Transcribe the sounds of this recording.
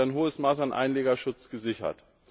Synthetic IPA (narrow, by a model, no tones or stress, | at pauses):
aɪnɦoːəsmaːsanʔa̰ɪnleːɡɐʃʊt͡sɡ̥əzɪçɐ̰t